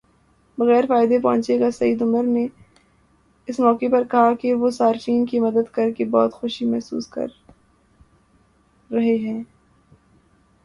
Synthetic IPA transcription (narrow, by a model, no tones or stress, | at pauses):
bɐɣɛːɾfaːɪd̪ep̬ɔ̰̃ːɲt͡ʃeɡasɐiːd̪ʊməɾne | ɪsmɔːkepɐɾkɐɦakeʋosaːɾt͡ʃiːnkimɐd̪əd̪kɐɾkebɔ̰ːt̪xʊʃimɛɦsṵːskɐ̰ɾ | ɐɦeɦɛ̃ː